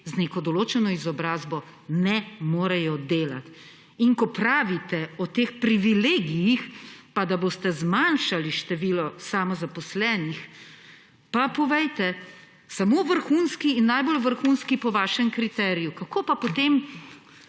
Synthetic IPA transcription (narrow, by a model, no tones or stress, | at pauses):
zneːkɔd̪ɔloːt͡ʃɛnɔizɔbɾaːzbɔ | nɛmoːɾɛjɔd̪eːla̰t̪ | iŋkɔpɾaːʋit̪ɛɔt̪eːxpɾiʋileːɡijixpad̪aboːst̪ɛzmanʃaliʃt̪ɛʋiːlɔsamɔzapɔslɛːnix | papɔʋɛjt̪ɛ | samoʋəɾxunskiːnːaːjbolʋəɾxunskipɔʋaːʃɛmkɾit̪ɛːɾijukakopapɔt̪em